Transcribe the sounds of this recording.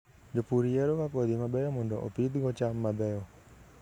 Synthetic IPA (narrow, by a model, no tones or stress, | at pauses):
d͡ʒɔpuɾiɛɾokapɔd̪imabɛjɔmɔndɔʔɔ̰pid̪ɡɔt͡ʃamːabɛjɔ